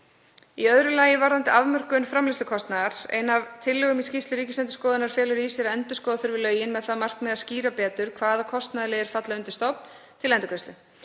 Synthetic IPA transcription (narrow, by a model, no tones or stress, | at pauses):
iœðɾʏlaːjɪvaɾðant̪ɪavmœr̥kʏnfɾamlɪst̪ʏkʰɔst̪naðaɾ̥ḛːjnavt̪ʰɪlːʏɣʏmiscist̪lʏɾiːcɪslɛnt̪ʏ̥skɔːðɪnaɾ̥fjɛːlʏɾisjɛɾɛnt̪ʏskɔːðaθʏɾvɪlœːɥjɪnmɛðθaðmar̥knmɛðasciːɾapɛːt̪ʏɾ̥kʰvaːðakʰɔst̪naðlɪɣɛɾ̥fat̪laʏnt̪ʏ̥st̪ɔpn | t̪ʰɪlɛnt̪ʏkʰœst̪ʏ